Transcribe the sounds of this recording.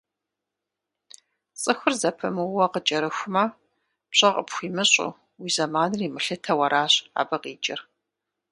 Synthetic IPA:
t͡sʼɨxʷʊrzɐpʰɐmɨwɐqət͡ʃʼɐɾɨxʷʊmɐ | pɕʼɐqʼəpxʷiːmɨɕʼʊ̰ | wiːzɐmaːnɨriːmɨɬɨtʰɐwɐɾʔaːɕa̰ːbɐqiːt͡ʃʼɪ̰r

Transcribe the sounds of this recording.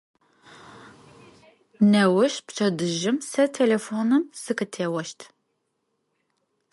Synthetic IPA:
nɐwɐʃpt͡ʃʰɐdɨʒɪmsɐtʰelefoːnɨmsɨkɨtʰeːwɐʃtʰ

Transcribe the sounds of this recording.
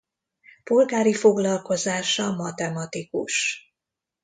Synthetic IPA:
polɡaːɾifo̞ɡlɒlko̞zaːʃɒmɒt̪ɛmɒt̪ikuʃ

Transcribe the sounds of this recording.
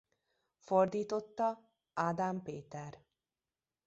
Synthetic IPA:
ford̪iːt̪o̞t̪ːɒ | aːd̪ampeːt̪ɛr

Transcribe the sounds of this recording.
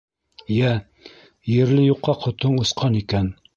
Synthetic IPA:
jæ | jɘ̆ɾlɘjuqːɑqʰŏt̪oɴŭsqʰɑnikæn

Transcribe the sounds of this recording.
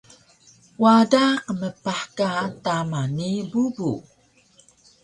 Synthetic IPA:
wadaqəməpaħkatamanibubṵ

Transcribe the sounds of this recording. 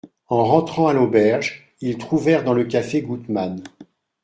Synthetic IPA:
ɑ̃ʁɑ̃t̪χɑ̃alobɛʁʒ | ilt̪χuvɛʁd̪ɑ̃ləkafeɡut̪man

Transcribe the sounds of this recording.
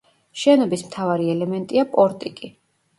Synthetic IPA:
ʃɛnɔbismt̪ʰavaɾiɛlɛmɛnt̪ʼiapʼɔɾt̪ʼikʼi

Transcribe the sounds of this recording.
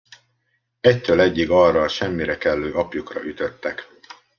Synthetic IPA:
ɛct̪øːlɛɟːiɡɒrɒʃɛmːiɾɛkɛlːøːɒpjukrɒ̰ʔyt̪øt̪ːɛk

